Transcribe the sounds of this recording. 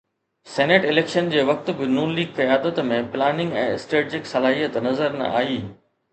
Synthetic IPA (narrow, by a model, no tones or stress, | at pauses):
sɛːneːʈɪleːkʃənd͡ʑeːʋɐk̚t̪bɪnuːnliːɡfɐjaːd̪ət̪mẽplaːnɪ̃ŋɡɛ̰̃ːɪsʈeːʈd͡ʑɪksɐlaːɦijət̪nɐzəɾnɐ̰ʔa̰ːiː